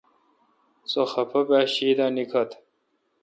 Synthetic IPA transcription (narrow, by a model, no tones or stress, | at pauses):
t͡soxɐpʰɐbaːɕiːd̪aːnikʰɐt̪ʰ